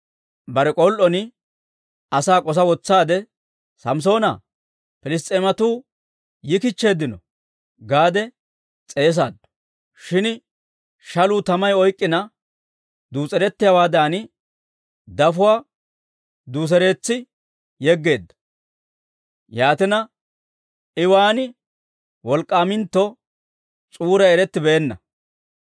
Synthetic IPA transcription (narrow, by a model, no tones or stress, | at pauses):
bɐɾɛkʼɔlʔɔnɪ | ɐsaːkʼɔs̬ɐwɔt͡sːaːd̪ɛ | sɐms̬o̞ːnɐ | pɪlɪs̬t̪ʼeːmɐt̪uː | jɪkɪt͡ʃːe̞ːd̪ɪnɔ | ɡaːd̪ɛ | t͡sʼe̞ːs̬a̰ːd̪ɐ̥ | ʃɪn | ʃɐluːt̪ɐmɐjɔjkʼːɪnɐ | d̪uːt͡sʼɛɾɛt̪ːɪjɐwaːd̪aːnɪ | d̪ɐfʊwaː | d̪uːs̬ɛɾe̞ːt͡sːɪ | jɛɡːe̞ːd̪ːɐ̥ | jaːt̪ɪnɐ | ɪwaːnɪ | wɔlkʼːaːmɪnt̪ːɔ | t͡sʼuːɾɐɛɾɛt̪ːɪbɛːnːɐ̰